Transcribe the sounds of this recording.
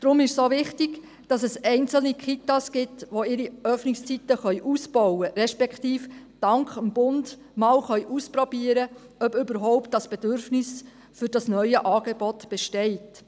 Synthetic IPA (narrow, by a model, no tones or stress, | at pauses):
d̥ɾʊmɪʃsoʋɪχtɪɡ | d̥ɑsɛsɛɪnt͡sl̩nikχitɑsɡ̥ɪtʋoɪɾiœfnɪkst͡sitəχœʏʔuːsb̥ɔwəɾɛʃpɛkχtiːf | d̥ɑŋkχəmb̥ʊnd | mɑːwχœʏʔuspɾɔbiəɾə | œbʏbəɾɦɔʊpt̚dɑsb̥ɛdøɾfnɪs | fʏɾd̥ɑsnœʏəʔɑːɡ̥ebɔtb̥ɛʃtɛɪt